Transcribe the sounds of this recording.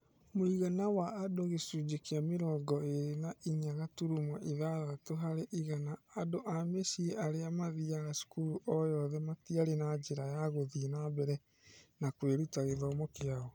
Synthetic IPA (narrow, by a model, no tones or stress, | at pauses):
moiɣanawaʔːdoɣesud͡ʒekeameɾɔːɡɔeɾenaʔiɲaɣatuɾumɔʔiðaɣatoɦaɾeʔiɣanaːdoʔamesieʔaɾeamaðiaɣasu̥kuɾuʔɔjɔðɛmatiaɾenad͡ʒeɾajaɣoðinabɛɾɛ | nakweɾutaɣeðamokeaɣɔ